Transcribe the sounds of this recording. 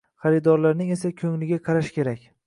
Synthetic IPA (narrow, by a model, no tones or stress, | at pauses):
χɑɾɪd̪ɒɾlaɾnɪŋe̞sakʲʰɵŋlɪɡʲaqʰɑɾaʃkʲʰe̞ɾakʲ